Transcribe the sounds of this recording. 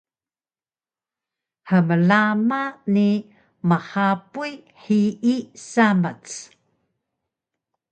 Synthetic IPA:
ħəməlamani | məħapuj | ħiisamət͡s

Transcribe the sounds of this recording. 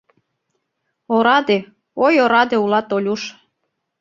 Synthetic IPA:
oɾɑd̪e | ojoɾɑd̪eulɑt̪olʲuʃ

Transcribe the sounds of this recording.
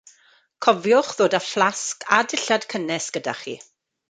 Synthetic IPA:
kʰɔvjʊχðoːdaflˠaskʰadɪɬad̥kʰənɛsɡ̥əda̰χḭː

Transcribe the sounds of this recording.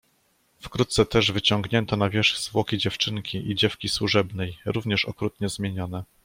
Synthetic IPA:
fkɾut̪̚t̪sɛt̪ɛʐvɘt͡ɕɔŋɡɲɛnt̪ɔnavʲjɛʂzvwɔkʲid͡ʑɛft͡ʂɘŋkʲiʔid͡ʑɛfkʲiswuʐɛbnɛjɾuvɲɛʂɔ̰kɾut̪̚ɲɛzmʲjeɲɔn̪ɛ

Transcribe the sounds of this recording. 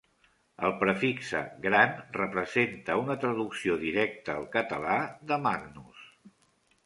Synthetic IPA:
əlˠpɾəfiksə̰ɡɾanrəpɾəzent̪əunət̪ɾəðuksioðiɾɛk̚t̪əːlˠkət̪əlaðəmaɡnus

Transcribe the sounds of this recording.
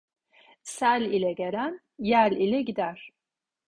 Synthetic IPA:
salilɛɡʲɛɾan | jalilɛɡʲid̪ar̥

